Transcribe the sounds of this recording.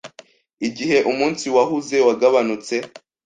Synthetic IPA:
iɟiɦe̞ʔumuːnsiwahuze̞waɡaβanut͡se̞

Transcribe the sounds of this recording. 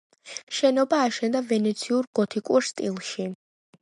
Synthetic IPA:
ʃɛnɔbaːʃɛnd̪avɛnɛt̪sʰiuɾɡ̥ɔt̪ʰikʼuɾst̪ʼḭlˠʃi

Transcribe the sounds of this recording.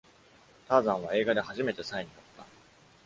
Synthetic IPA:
t̪aːzãɰ̃β̞ae̞ːɡad̪e̞haʑime̞t̪e̞saeɲ̟iot̪ːa

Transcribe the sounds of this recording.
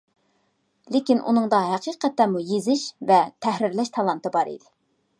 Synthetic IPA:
lekʲinʔṵnɨŋd̪ɑɦæqiqʰɛt̪ːɛmujezɪʃvɛt̪ʰɛhɾɪɾlɛʃt̪ʰɑlˠɑnt̪ɨbɑɾḭd̪ɪ

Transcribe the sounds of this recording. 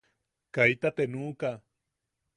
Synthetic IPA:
kajt̪at̪enuːka

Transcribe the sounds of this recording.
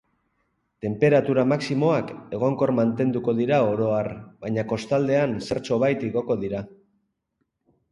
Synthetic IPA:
t̪e̞mpe̞ɾat̪uɾamaksimo̞ake̞ɣ̞o̞ŋko̞ɾmant̪e̞nd̪uko̞ðiɾao̞ɾo̞arβaɲako̞st̪ald̪e̞anse̞ɾt͡so̞βajt̪iɣo̞ko̞ðiɾa

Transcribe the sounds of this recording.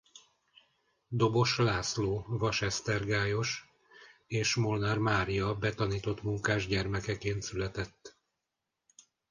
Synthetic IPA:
d̪o̞bo̞ʃlaːsloːvɒʃɛst̪ɛrɡaːjo̞ʃ | eːʃmo̞lnarmaːɾijɒbɛt̪ɒniːt̪o̞t̪muŋkaːʒɟɛrmɛkɛkeːnt̪sylɛt̪ɛt̪ː

